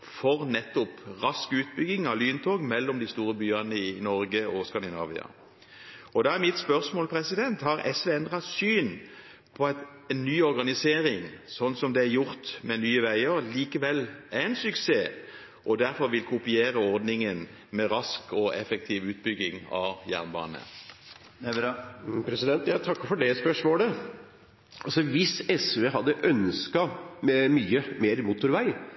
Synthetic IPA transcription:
fɔʁnɛt̪ːɔpʁɑskʉːt̪̚bʏɡɪŋɑlyːnt̪ʰoːɡmɛlːɔmd̪ɪst̪uːɾəbyːɑnəɪnɔɾɡəɔskɑnd̪ɪnɑ̰ːʋɪ̰ɑ̰ | ɔd̪ɑːæɾmɪt̪spœɾsmoːlpʰɾɛsɪd̪ɛnt̪hɑɾɛsʋeːɛnd̪ʁɑtsyːn | pʰɔɑt̪ | ɛnːyːɔɾɡɑnɪseːɾɪŋsɔnːsɔmd̪ɛæɾjʊɾt̪mɛnyːəʋæɪəɾliːkəʋɛlːæɛnsʉkseː | ʔɔd̪æɾfɔɾʋɪlkʰʊpɪeːɾəɔʁd̪nɪŋən | mɛʁɑskɔʔɛfək̚t̪ʰiːʋʉːt̪bʏɡɪŋɑ̰ʋjæ̰ʁnbɑ̰ːnə̰ | pʰɾɛsɪd̪ɛnt̪jæɪt̪ʰɑkːəɾfɔɖɛspœʂmoːlə | ɑsɔʋɪsɛsʋeːhɑd̪ːəʔœnskɑmɛmyːəmeːɾmut̪ʊɾʋæɪ

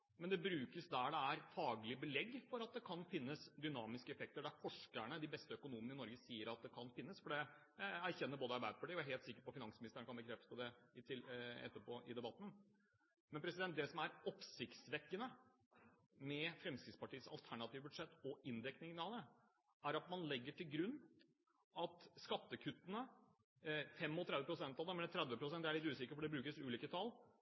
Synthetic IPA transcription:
mɛnd̪ɛbɾʉːkəsd̪æɖɛæɾfɑːɡlɪbəlɛɡːfɔɾɑt̪̚d̪ɛkʰɑnfɪnːəsd̪ʏnɑːmɪskəɛfɛk̚t̪əɖæɾfɔʂkəɳəd̪ɪbɛst̪əœkʊnuːmənəɪnɔɾɡəsiːəɾɑt̪̚d̪ɛkʰɑnfɪnːəsfɔɖɛ | ææɾçɛnːəboːd̪əɑɾbæɪd̪əpʰɑʈiːjɔjæɦeːlt̪sɪkːəɾpɔfɪnɑŋsmɪnɪst̪əɳəkʰɑnbəkʰɾɛft̪ə̥sɔd̪ɛɪt̪ʰɪɛ̰t̪ːəpʰoːʔɪd̪ɛbɑt̪ːn̩ | mɛnpɾɛsɪd̪ɛnt̪̚d̪ɛsɔmæɾɔpsɪkt̪sʋɛkːənə | mɛfɾɛmskɾɪt̪spɑʈiːəsɑ̰lt̪ʰæɳɑt̪iːʋəbʉd̪ʂɛt̪ːɔɪnd̪ɛknɪŋnɑlə | æɾɑt̪mɑnlɛɡːəʈʰɪlɡɾʉnː | ɑt̪skɑt̪ːəkʰʉt̪ːənə | fɛmɔlt̪ʰɾɛd̪ʋəpʰɾʊsɛnt̪ɑʋd̪ɛmɛlət̪ʰɾɛd̪ʋəpʰɾʊsɛnd̪æɭɪt̪ːʉːsɪkəfɔɖɛbɾʉːkəsʉːliːkət̪ʰɑlː

